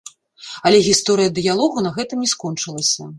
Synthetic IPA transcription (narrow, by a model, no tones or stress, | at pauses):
ɐlʲɛɣʲist̪ɔɾɨjɐd̪ɨjalˠɔɣunɐɣɛt̪ɨmnʲiskɔnt͡ʂɨlˠɐsʲɐ